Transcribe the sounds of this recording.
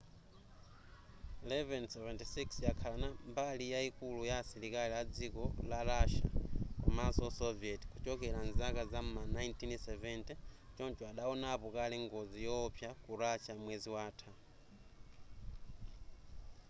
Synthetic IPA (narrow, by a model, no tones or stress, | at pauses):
ilɛvɛnsɛvɛntisiksjakʰalanambalijaikulujasiɾikaliad͡zikɔlaɾaʃa̰kɔ̰masɔsɔviɛti̥kut͡ʃɔkɛɾanzakazam̩manajntʰinsɛvɛntit͡ʃɔnt͡ʃɔaɗaɔnapɔkalɛŋɡɔd͡zijɔpʰjakuɾat͡ʃamwɛziwaːtʰa